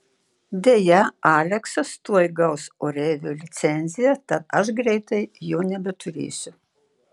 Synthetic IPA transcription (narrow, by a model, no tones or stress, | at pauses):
d̪ʲeːjɛɑːlʲɛksɐst̪uɔjɡɐʊsoːɾʲɛːʋʲoːlʲɪt̪sʲɛnʲzʲɪjɛt̪ɐt̪ɐʃɡɾʲɛɪt̪ɐɪjoːnʲɛbʲɛt̪ʊɾʲḛːsʲʊ